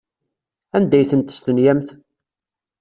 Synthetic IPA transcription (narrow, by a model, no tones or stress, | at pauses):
ænd̪æjθənt̪ə̥st̪ənjæmθ